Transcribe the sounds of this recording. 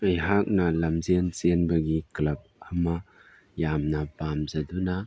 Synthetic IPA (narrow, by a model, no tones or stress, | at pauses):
ɐjɦak̚nɐlɐmzensenbɐɡiklɐp̚ɐma | jamnɐpamzɐduna